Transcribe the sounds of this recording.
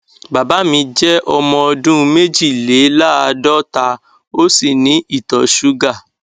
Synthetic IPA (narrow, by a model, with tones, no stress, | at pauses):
ba˨ba˨˦mĩ˧d͡ʒɛ˦ʔɔ˧mɔ̃˧ɔ˧dũ˦˧me˦d͡ʒi˦˨le˨˦la˦a˧dɔ˦ta˧ | o˦si˦˨nĩ˨˦i˦˨tɔ˨˦ʃu˦ɡa˦˨